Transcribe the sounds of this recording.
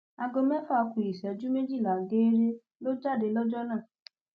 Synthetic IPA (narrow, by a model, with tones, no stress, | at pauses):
a˨˧ɡo˧mɛ̃˦fɔ˦a˧ku˨i˨sɛ˨˦d͡ʒu˦me˦d͡ʒi˦˨la˨ɡeː˦ɾe˦ | lo˦d͡ʒa˦˨de˧lɔ˦d͡ʒɔ˦nãː˦˨